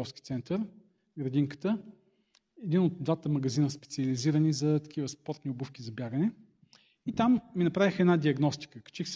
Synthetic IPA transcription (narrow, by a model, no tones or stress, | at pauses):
ɔfskʲi̥t̪sɛnt̪əɾ | ɡɾɐd̪iŋkə̥t̪ə | ɛd̪inod̪̚d̪vat̪əmɐɡɐzinəspɛ̥t̪siɐliziɾənizɐt̪ɐ̥kʰivəspɔɾt̪niʊbufkizɐbjaɡənɛ | it̪amːinɐpɾavixɛdnad̪iɐɡnɔst̪i̥kəkɐ̥t͡ʃixs